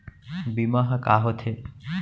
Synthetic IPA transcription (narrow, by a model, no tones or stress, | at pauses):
bimaɦakaːɦot̪ʰe